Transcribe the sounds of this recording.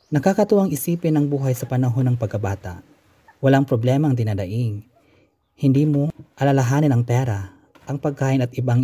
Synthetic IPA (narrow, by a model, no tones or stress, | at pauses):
nɐkakɐt̪ʊʔaŋɪsiːpɪnɐŋbuːɦajsɐpɐnɐɦo̞nɐŋpɐɡ̚kːɐbaːt̪a̰ʔ | wɐlaŋpɾoblɛːmaʔːŋd̪ɪnad̪ɐʔɪŋ | hɪnd̪iːmoʔɐlɐlɐɦaːnɪnɐŋpɛːɾa | ʔɐŋpɐɡ̚kaːʔɪnɐt̪̚ʔɪbaŋ